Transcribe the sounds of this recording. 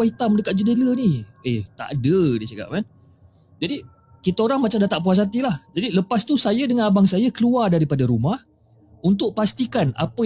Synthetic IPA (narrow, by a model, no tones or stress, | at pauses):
ait̪amdəkat̪̚d͡ʒədələniet̪a̰ʔa̰dədit͡ʃaka̰ʔ̚man | d͡ʒadi | kit̪aoɾaŋmat͡ʃamdat̪aʔp̬uas̬at̪ilahd͡ʒadiləpast̪usajədəŋanabaŋsajəkəluardaɾipadaɾumah | unt̪ʊʔ̚past̪ikana̰pə